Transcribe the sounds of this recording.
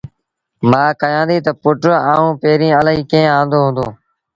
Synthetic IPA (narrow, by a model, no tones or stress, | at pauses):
mãːkəjãːnd̪iːt̪əpʊʈɾãːũːpeːɾĩːələɦiːkẽːãːnd̪oːɦʊ̃nd̪oː